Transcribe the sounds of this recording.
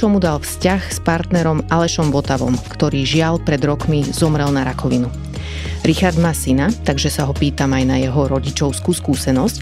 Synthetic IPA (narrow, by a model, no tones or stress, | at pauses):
t͡ʃɔmud̪alfscaxspaɾt̪nɛɾɔmalɛʃɔmʋɔt̪aʋɔ̰mkt̪ɔɾiːʒɪalpɾɛd̪ɾɔkmizɔmɾɛlˠnaɾakɔʋinu | ɾixaɾd̪maːsinat̪aɡʒɛsaɦɔpiːt̪amajnajɛɦɔɾɔɟit͡ʃɔʊskuːskuːsɛnɔsc